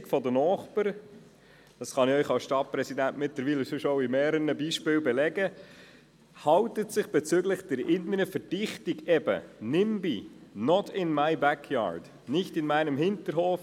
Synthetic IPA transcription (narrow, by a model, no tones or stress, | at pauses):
kfɔdənɔːχpəɾ | d̥ɑsχɑnɪœʏχɑlsʃtɑt̚pɾɛsidæntmɪtləɾʋiːləsʏʃoʊimeːɾəɾənəbiːʃpɪːlbɛlɛɡə | hɑwtətsɪχb̥ɛt͡sʏɡlɪχd̥ɛɾɪnəɾəfəɾd̥ɪχtiɡɛb̥ə̰nɪmbinɔtʰɪnmaɪbækʰjɑ̰ːɹd̥ | nɪçtɪnmæɪnəmɦɪntəɾhoːf